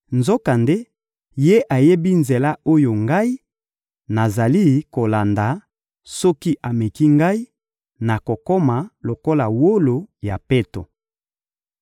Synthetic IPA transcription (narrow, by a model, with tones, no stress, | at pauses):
nzo˦ka˨nde˦ | je˦ʔa˨je˦bi˦nze˨la˦o˦jo˨ŋɡa˦i˦ | na˨za˨li˦ko˨la˨nda˨ | sɔ˦ki˦ʔa˨me˨ki˦ŋɡa˦i˦ | na˨ko˨kɔ˦ma˨lo˨ko˦la˨wo˦lo˨ja˨pe˦to̰˨